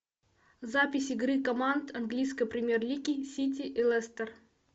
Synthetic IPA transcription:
zapʲɪsʲɪɡɾɨkɐmand̪ɐnɡlʲijskəjpɾʲɪmʲerlʲikʲisʲit̬ʲɪʔɪlˠɛst̪ər

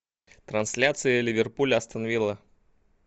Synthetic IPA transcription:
t̪ɾɐnsʲlʲat̪sɨjəlʲɪvʲɪrpulʲɐst̪ənɐvʲilˠə

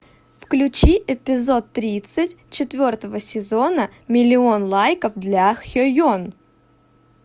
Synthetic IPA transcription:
fklʲʉt͡ɕiʔɪpʲɪzo̞t̪ːɾʲit̪sɨtʲ | t͡ɕɪt̪vʲo̞rt̪əvəsʲɪzo̞nəmʲɪlʲɪonlˠajkəfd̪lʲaxxʲojon

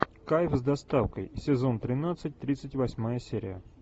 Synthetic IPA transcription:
kajfzd̪ɐst̪afkəjsʲɪzo̞nt̪ɾʲɪnat̪sɨt̚ʲt̪ɾʲit̪sɨtʲvɐsʲmajəsʲeɾʲɪ̰jə̰

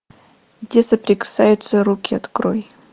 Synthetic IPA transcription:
ɡdʲesəpɾʲɪkɨ̥sajʊt̪səɾukʲɪɐt̪kɾoj

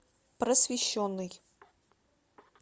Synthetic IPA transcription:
prəsvʲɪɕːonːɨj

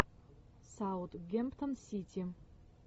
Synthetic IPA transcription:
sawt̪ɡʲempt̪ənsit̪ʰʲi

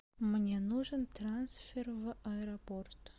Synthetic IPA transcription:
mɨnʲenuʐənt̪ransfʲervɨʔɐɛɾɐport̪

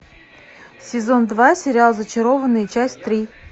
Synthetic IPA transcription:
sʲɪzond̪vasʲɪɾʲɪalˠzət͡ɕɪɾovənːɨjət͡ɕæsʲtʲt̪ɾʲi

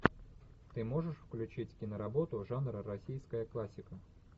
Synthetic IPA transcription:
t̪ɨmo̞ʐɨʂfklʲʉt͡ɕitʲkʲinəɾɐbo̞t̪ʊʐanɾəɾɐsʲijskəjəklˠasʲːɪkə

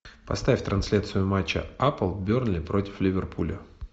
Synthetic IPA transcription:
pɐst̪afʲt̪ɾʔɐnsʲlʲat̪sɨjʊmat͡ɕːə̰apəlˠbʲornlʲɪpɾo̞tʲɪ̥flʲɪvʲɪrpʰulʲə

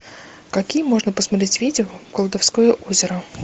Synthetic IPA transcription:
kɐkʲijəmo̞ʐnəpəsmɐt̪ɾʲetʲvʲidʲɪoɡ̥əlˠd̪ɐfskojəʔozʲɪɾə

